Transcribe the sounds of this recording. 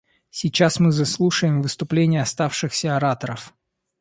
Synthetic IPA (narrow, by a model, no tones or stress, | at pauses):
sʲɪt͡ɕːasmɨzɐslˠuʂəjɪmvɨst̪ʊplʲenʲɪjəɐst̪afʂɨxsʲəɐɾat̪əɾəf